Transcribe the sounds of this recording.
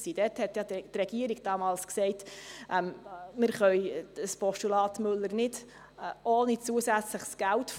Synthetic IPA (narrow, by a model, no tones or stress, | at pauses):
siːd̥ɛthɛtjɑdtrɛɡ̥iəɾiɡ̥d̥ɑːmɑːlsksɛɪtʔɛmmɪɾχœʏ̥əspɔʃtulɑːtmʏlːəɾnɪd̥ | ʔoːnit͡suəsæt͡sləχsɡ̥ælt